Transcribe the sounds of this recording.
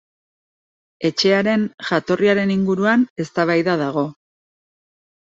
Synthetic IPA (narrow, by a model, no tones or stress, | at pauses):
e̞t͡ʃe̞aɾe̞nʝat̪o̞riaɾe̞niŋɡuɾuane̞st̪aβ̞ajðað̞aɣ̞o̞